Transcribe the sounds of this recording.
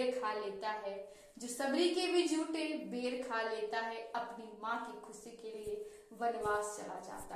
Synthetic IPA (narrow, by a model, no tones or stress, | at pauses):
ɾkʰaːleːt̪aɦɛ | d͡ʒoːsɐbɾikebʱid͡ʒʱuːʈebeːɾkʰaːleːt̪aɦɛɐpnimãkikʰʊsikelie | ʋɐnʋaːst͡ʃɐ̰la̰d͡ʒa̰ːt̪a